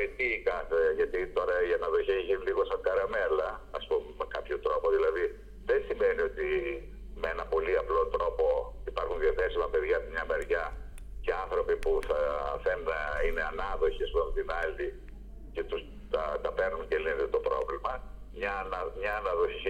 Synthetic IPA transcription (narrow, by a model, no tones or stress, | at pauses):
et̪ikɐθeʝɐt̪it̪o̞ɾɐʝɐnɐðoçiçiliɣo̞sɐŋɡɐɾɐmelɐːspumemekɐpçot̪ɾo̞po̞ðilɐði | ðensime̞nio̞t̪i | meenɐpo̞liɐplo̞t̪ɾo̞po̞ipɐɾxunðiɐθe̞simɐpe̞ðʝɐt̪mɲɐmeɾʝɐ | ceɐnθɾo̞pipuθɐθenɐineɐnɐðo̞çiɐspumt̪inɐli | cet̪us | t̪ɐt̪ɐpeɾnunce̞linet̪et̪o̞pɾo̞̰vlimɐmɲɐnɐmɲɐːnɐðoçi